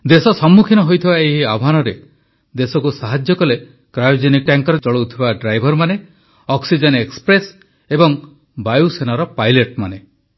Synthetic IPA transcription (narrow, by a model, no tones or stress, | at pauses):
d̪esɔsɔmːukʰinɔɦojt̪ʰibaeɦiabʱɦanɔɾe | d̪esɔkusaɦad͡ʒjɔkɔle | kɾajd͡ʒenik̚ʈaŋkɔɾɔt͡ʃɔɭowt̪ʰibaɖɾajbʱɔɾmane | ɔksid͡ʒɔnekspɾes | ebɔŋ | bajusenaɾɔpajleʈmane